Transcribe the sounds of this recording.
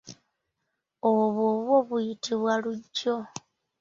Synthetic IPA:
oβwoβwo̞βujitiβwaluɟːo̞

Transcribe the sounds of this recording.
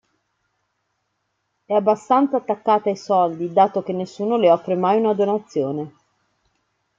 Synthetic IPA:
ɛabːast̪ant̪saːt̪ːakːaːt̪aajsɔld̪id̪aːt̪ok̟enːesːuːnoleɔfːɾemajunad̪onat̪sːjoːne

